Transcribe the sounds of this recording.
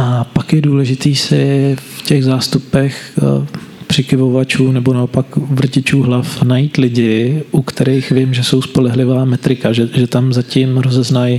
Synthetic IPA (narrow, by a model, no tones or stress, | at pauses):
ʔapakjɛduːlɛʒɪt̪iːsɪfcɛɣzaːst̪upɛx | pr̥ɪkɪvovat͡ʃuːnɛbo̞naopakvr̩cɪt͡ʃuːɦlafnajiːt̪lɪɟɪʔukt̪ʰɛɾɛjxvɪmʒɛso̞wspo̞lɛɦlɪvaːmɛt̪ɾɪkaʒɛʒɛt̪amzacɪmɾo̞zɛznaj